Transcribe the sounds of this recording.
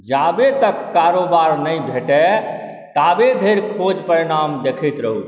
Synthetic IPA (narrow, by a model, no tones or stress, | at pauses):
d͡ʒabet̪əkːaɾobaɾnəjbʱeʈɛ | t̪abed̪ʱeɾkʰod͡ʒpəɾiɽ̃amd̪ekʰit̪ɾəɦu